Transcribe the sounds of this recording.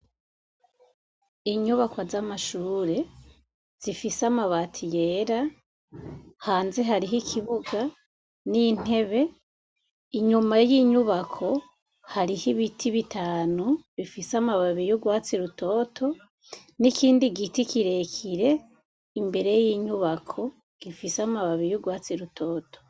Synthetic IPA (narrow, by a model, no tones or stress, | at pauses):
iɲuβakwazamaʃuːɾe̞ | z̥ifisamaβaːtʰije̞ːɾa | haːnze̞ɦaɾiɦikʰiβuɡa | nin̥e̞βe̞ | iɲumajiɲuβakʰo̞ | haɾihiβitʰiβitʰaːnuβifisamaβaβijuɡwaːt͡siɾuto̞ːtʰo̞ | nikʰiːndiɡitikiɾe̞kʰiɾe̞ | imbe̞ɾe̞jiːɲuβakʰo̞ | ɡ̥ifisamaβaβijuɡwaːt͡siɾutʰo̞ːtʰo̥